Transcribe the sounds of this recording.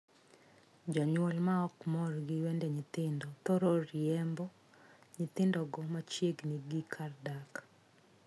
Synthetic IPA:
d͡ʒɔɲwɔlmaɔkmɔrɡɪwɛndɛɲɪt̪ɪndɔt̪ɔɾorjɛmbɔ | ɲɪt̪ɪndɔɡɔmat͡ʃjeɡniɡikʰardak

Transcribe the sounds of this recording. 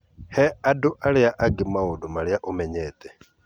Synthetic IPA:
hɛaduʔaɺijaʔaɡimaudumaɺijaʔumɛɲɛːt̪ʼɛ

